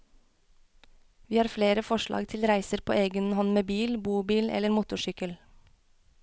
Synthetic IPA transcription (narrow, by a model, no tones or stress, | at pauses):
ʋiːhɑːɾfleːɾəfɔʃlɑ̰ːɡt̪ʰɪlɾæɪsəɾpʰo̰ːeːɡənhɔnmeːbiːlbuːbiːlɛ̰ləɾmuːt̪ʊʃʏkəl